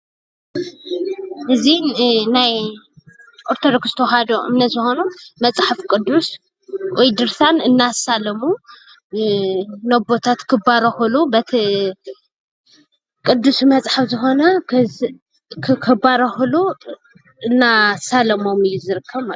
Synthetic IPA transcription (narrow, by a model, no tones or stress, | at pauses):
ʔɨzinaj | ʔoɾt̪ʰod̪okɨst̪ʰoɦad̪oʔɨ̰mnɐt̪zɨxo̞numɐt͡sʼħafkʼɨd̪ːus | wʔɔjd̪ɨɾsanɨnːasalɐmu | nɐbot̪ʰat̪kʰɨbaɾɐxɨlubɐt̪ʰi | kʼɨd̪ːusumɐt͡sʼħafzɨxo̞nɐ | kʰkʰɨbaɾɐxɨlu | ɨnːasalɐmo̞mɨjːuzɨɾɨkʰːɐβma